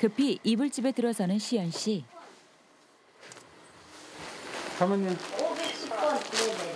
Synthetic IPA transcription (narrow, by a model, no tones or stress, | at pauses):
kɯpʰiʔibɯɭt͡ɕ͈ibe̞tɯɾʌsʰʌnɯnɕʰijʌnɕ͈ʰi | kʰamʌnːim